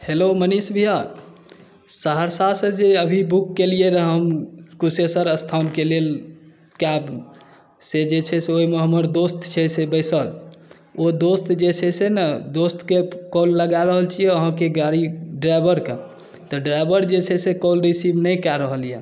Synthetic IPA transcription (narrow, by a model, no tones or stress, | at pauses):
helomənisbʱija | səɦəɾsasẽd͡ʒeəbʱibukːelijeɾɦəmkusesəɾəst̪ʰankelel | kab | sed͡ʒet͡ʃʰɛseoimeɦəməɾd̪ost̪t͡ʃʰɛsebəɪsəl | od̪ost̪d͡ʒet͡ʃʰɛsenəd̪ost̪kekɔlːəɡaɾəɦəlt͡ʃʰijeəɦãkeɡaɾiɖɾajbəɾke | t̪ɔɖɾajbəɾd͡ʒet͡ʃʰɛsekɔlɾisibnəjkaɾəɦəlijḛ